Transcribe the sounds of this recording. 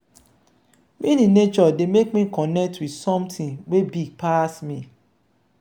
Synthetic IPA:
mĩnĩnet͡ʃɔdemekmĩkʰɔnɛk̚twidsɔ̃mtʰĩnwebiɡ̚pʰasmĩ

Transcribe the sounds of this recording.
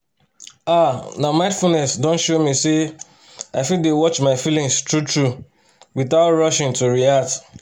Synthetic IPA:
anamãɪ̃nfulnɛsdõnʃomise | aɪfidewɔt͡ʃmaɪfilĩŋstɹutʰɹu | wiθaʊtɹʌʃɪ̃ŋtuɹiat

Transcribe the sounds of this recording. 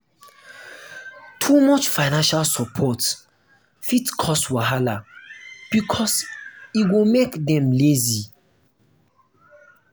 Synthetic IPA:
tʰumɔt͡ʃfaɪnãnʃalsɔpʰɔt | fitkʰɔstwaɦala | b̥ikʰɔsiwumekdɛ̃mlezi

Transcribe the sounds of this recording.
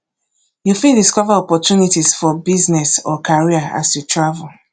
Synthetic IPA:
jufĩdiskɔvaɔpɔtunitisfɔbiznɛsɔkʰaɹiaa̰sjutɹavul

